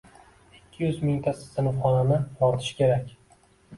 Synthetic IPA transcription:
ɪkʲʰːɪjʏzmɪŋt̪ʰasɪ̥sɪnɪχɒnanɪbɒɾt̪ʰɪ̥ʃkʲʰe̞ɾakʲ

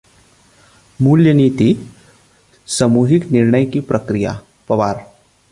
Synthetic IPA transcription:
muljəniːt̪i | səmuːɦɪknɪɾɳəjkipɾʔɐkɾija̰ | pɐʋaːɾ

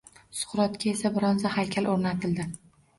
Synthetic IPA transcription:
sʊ̥χɾɒt̪kʲae̞sabɪɾɒnzahajkʲʰalʔoɾnat̪ʰɪld̪ɪ

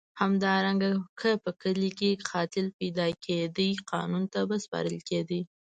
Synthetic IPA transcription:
hamd̪ɑɾaŋɡakəpəkəlikexʰɑt̪ɪlpajd̪ɑkʰed̪əjqɑ̰nunt̪abaspɑ̰ɾəlked̪ə

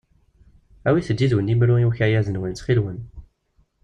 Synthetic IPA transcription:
æwiθəd̪ːiðwənimɾujuçæjæzənwənt͡sχilwən

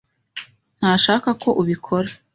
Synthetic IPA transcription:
n̥haːʃaːkakʰo̞ʔuβikʰo̞ɾḁ

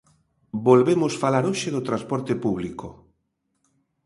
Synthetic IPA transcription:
bolβemʊsfalaɾoʃeðot̪ɾãspɔɾt̪epuβ̞liko

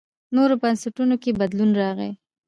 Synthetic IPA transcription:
noɾopansɪʈunokebad̪lunɾɑɣḛ

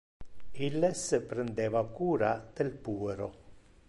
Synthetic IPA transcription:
ilːɛspɾend̪ɛːvakuːɾad̪̥elpuːeɾo

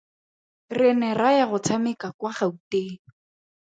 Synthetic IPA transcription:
rɪnɛrajaɣʊt͡sʰamɪkakwaχauteː

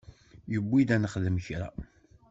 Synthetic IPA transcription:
jəbːid̪ænəχðəmçɾæ̰

